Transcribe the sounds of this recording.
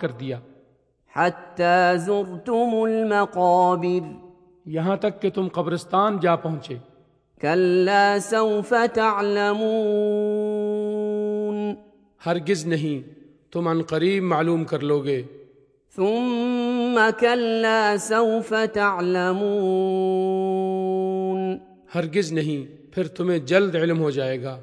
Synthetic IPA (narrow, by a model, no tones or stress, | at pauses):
kɐɾd̪ijaː | ħat̪ːaːzʊɾt̪ʊmʊlmɐqɑːbɪɾ | jɐɦãt̪ɐkːet̪ʊmqɐbɾɪst̪aːnd͡ʒaːpɐɦʊ̃t͡ʃeː | kɐlːaːsawfat̪aʕlamuː | n | hɐɾɡɪznɐɦĩ | t̪ʊmɐnqɐɾiːbmaːluːmkɐɾloːɡeː | θʊmː | ɐkɐlːaːsɐwfɐt̪aʕlɐmuː | n | hɐɾɡɪznɐɦĩ | pʰɪɾt̪ʊmẽd͡ʒɐld̪ʕɪlmɦod͡ʒaːeːɡaː